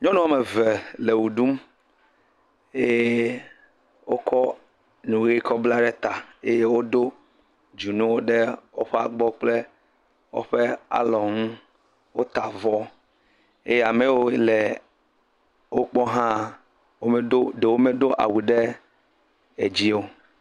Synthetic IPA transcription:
ɲɔ̃˦nũ˦a˦me˨ve˨le˨wu˨ɖu˦m | e˦j | wo˦kʰɔ˦ | nũ˨ɣi˦kɔ˦bla˦ɖe˦t̪a˨e˦je˦wo˦d̪o˦ | d͡ʒu˨nũ˦wo˦ɖe˦wo˦ɸe˦a˨ɡ͡bɔ˦k͡ple˦ | wo̰˦ɸe˦a̰˨lɔ˨ŋũ˦ | wo˦t̪a˨vɔ˦ | ḛ˦je˦a˨me˨wo˦le˨ | wo˦k͡pɔ˦ɦã˦ | wo˦me˦o˦ɖe˨wo˦me˦ɖo˦ʔa̰˨wu˨ɖe˦ | e˨d͡ʑi˦o˦

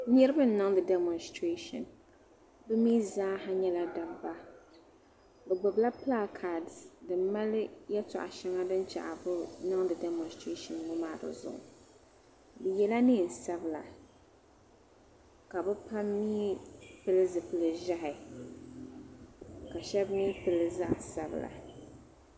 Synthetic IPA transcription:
ɲɛ˦ɾɨ˦bɨ˦n̩˦nɨ˦ŋdɨ˨dɛ˨mɔ˨nstɾe˦ʃɔ̰˨n | bɨ˦miː˦zaː˦ɦa˦ɲɛ˦la˨da˨bba˦ | bɛ˨ɡ͡bʊ˨bla˦pla˦kʰa˨ddɨ˨mma˦ljɛ˦tɔ̰˨ʔa̰˨ʃɛ˦ŋa˦dɨ˦nt͡ʃa̰˨ʔa˨bʊ˦nɨ˦ŋdɨ˨dɛ˨˦mɔ˨nstɾe˦ʃɔ˨nmʊ˦maː˦˨dɨ̰˨zʊ̰˨ʔʊ̰˨ | bɨ˨jɛ˦la˦ni˦˨n̩˨sa˦bɨ˦la̰˨ | ka˨bɨ˦pa˦miː˦pɨ˦lɨ˦zɨ˨pɨ˨lɨ˨ʒa˦ɦɪ˨ | ka˨ʃɛ˦bniː˦pɨ˨lɨ˦za˦ʔsa˨bɨ̰˨la̰˨

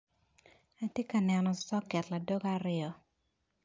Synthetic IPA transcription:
a˦tje˦ka˨nɛ˨nɔ˨sɔ˦kɛ˨tla˨do˦ɡa˦ɾɪɔ˦

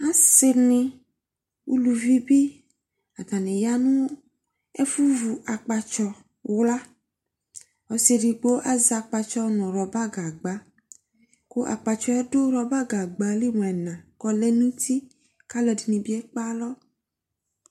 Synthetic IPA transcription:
a˦se˨nĩ˨ | wṵ˦lu˨vi˦bi˦ | a˨d̪a˨nẽ˨ja˦nũ˦ | e˦fu˦vu˨ʔa˨k͡pa˨t͡ʃɔ˦ | wla˦ | ɔ˨se˦ɖi˨ɡ͡bo˦ʔa˦za˨k͡pa˨t͡ʃɔ˦nɔ̃˨ɾɔ˨ba˦ɡa˨ɡ͡ba˨˦ | ko˦ʔa̰˨k͡pa˨t͡ʃɔ˨˦ɛ˦do˦ɾɔ˨ba˦ɡa˨ɡ͡ba˨li˦m̃˨ɛ˨nã˨kɔ˦le˦nĩ˦t̪i˦ | ka˦lɔ˨di˨nĩ˨bi˦e˦k͡pa˦lɔ˦

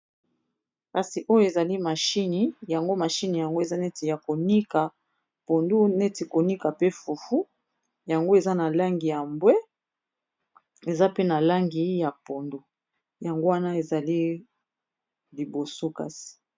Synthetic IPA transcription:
ka˨si˨ʔo˦jo˦e˨za˨li˦ma˨ʃi˦ni˨ja˨ŋɡo˦ma˨ʃi˦ni˨ja˨ŋɡo˦e˨za˦nɛ˦ti˨ja˨ko˨ni˦ka˨ | po˨ndu˦nɛ˦ti˨ko˨ni˦ka˨pe˦fu˨fu˦ | ja˨ŋɡo˦e˨za˦na˨la˦ŋɡi˨ja˨mbwɛ˦ | e˨za˦pe˦na˨la˦ŋɡi˨ja˨po˨ndu˦ | ja˨ŋɡo˦wa˦na˦e˨za˨li˦ | li˨bo˨so˦ka̰˦si̥˨

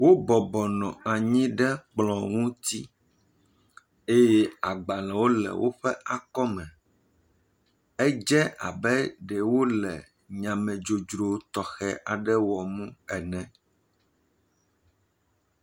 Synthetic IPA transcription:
wo˦bɔ˨bɔ˨nɔ̃˨a˨ɲĩ˦ɖɛ˦k͡plɔ̃˨ŋũ˦t̪i˦ | e˦jɛ˦a˨ɡ͡ba˨lɛ˨wo˦lɛ̰˨wʔo̰˦ɸɛ˦ʔa˨kɔ˦mɛ̃˨ | ɛ˦d͡ʒɛ˦a̰˨bɛ˦ɖɛ˨wo˦lɛ̰˨ | ɲã˨mɛ̃˨d͡ʒo˨d͡ʒɾo˨t̪ɔ˨xɛ˦ʔa˨ɖɛ˦wɔ˨mũ˦ɛ˨nɛ̃˨

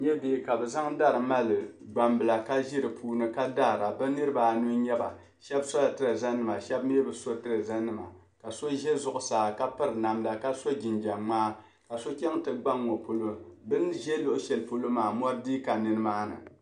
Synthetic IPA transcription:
ɲɛ˦beː˦˨ka˨bɛ˨za˦ŋda˦ɾɨ˨ma˦lɨ˨ɡ͡ba˨mbɨ˨la˨ka˦ʒi˦ɾɨ˨pʰuː˦nɨ˦ka˦da˦˨ɾa˨bɨ˦nɨ˦ɾɨ˦ba˨nu˦ɲɛ˦ba̰˨ | ʃɛ˦bsɔ˦la˨tɨ˦ɾɨ˨za˦nːɨ˦ma˨ʃɛ˦b̚me˦bɨ˨so˦tɨ˦ɾɨ˨za˦nːɨ˦˨ma̰˨ | ka˨so˦ʒɛ˦zʊ˦ʔʊ˨saː˨ka˦pɨ˦ɾɨ˨na˨mla˨ka˦so˦d͡ʒɪ˨nd͡ʒa˨ŋ͡maː˦ | ka˨so˦kʲɛ˦ŋtɨ˦ɡ͡ba˦ŋːo˨po˨lo˦bɨ˦nʒɛ˦lʊ˦ʔʊ˦ʃɛ˨lpo˦lo˦maː˨mɔ˦ɾdiː˦ka˨nɨ˦nɨ˦maː˦nɨ̰˨

